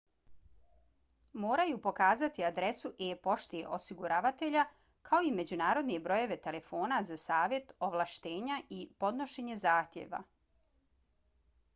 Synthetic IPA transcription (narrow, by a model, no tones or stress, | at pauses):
moːɾajupo̞kaːzat̪iad̪ɾe̞suʔepo̞ʃt̪iḛʔo̞siɡuɾaːʋat̪e̞ʎa | kʰao̞ime̞d͡ʑunaːɾo̞d̪nebɾo̞je̞ʋe̞t̪e̞le̞fo̞ːnazasaːʋje̞t̪oʋlˠaʃt̪e̞ːɲaʔipo̞d̪no̞ʃe̞ɲe̞zaːxt̪jḛːʋa̰